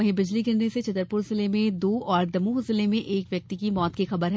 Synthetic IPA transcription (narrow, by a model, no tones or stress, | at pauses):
ɐɦẽbɪd͡ʒliɡɪɾneset͡ʃɐt̪əɾpʊɾzɪlemẽd̪oːɔːɾd̪ɐmũɦʊzɪlemẽʔeːkʋjɐk̚t̪ikimɔːt̪kixɐbəɾɦ